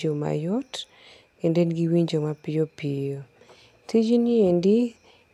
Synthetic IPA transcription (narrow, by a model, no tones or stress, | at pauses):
oma̰jɔt | kendenɡiwiɲd͡ʒomapɪjopijo | tʰid͡ʒiniendi